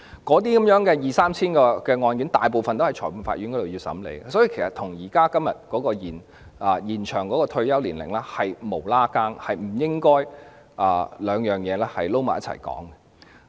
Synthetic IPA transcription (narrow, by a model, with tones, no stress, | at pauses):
kɔː˨˧˥t̪̬iː˥kɐ˨˦mjœː˨˥ŋkɛː˧jiː˨saː˥mt͡sʰiː˥nkɔː˧kɛː˧ŋɔː˧nky˨˥nt̪aː˨jp̬o˨wfɐ˨nt̪whɐ˨jt͡ʃʰɔ̰ː˨˩jpu˨˧nfa̰ː˧t̚y˨˥nkɔː˨˧˥o˨wjiː˧wsɐ̰˨˥mlḛ˨˧˥jsɔ˨˥ji˧kʰe˨˩sɐ˨˩t̪ʰʊ˨˩ŋjiː˨˩kaː˥kɐ˥mjɐ˨t̚kɔː˨˥kɔː˧jiː˨˩n | ɐ˨jiː˨˩nt͡ʃʰœː˨˩ŋkɔː˨˥kɔː˧t̪ʰɵ˧ɥjɐ˥wliː˨˩nlɪ̰˨˩ŋlɛː˥hɐ˨jmo˨˩wlaː˥kaː˥ŋhɐ˨jm̩˨˩jɪ˥ŋkɔː˥j | ʔɐː˨˩lœː˨˧ŋjœː˨ŋjɛː˨˧lɛː˥hɐ˨jlo˥wma̰ː˨jɐ˥t͡sʰɐ˨˩jkɔ̰ː˨˥ŋɛ˧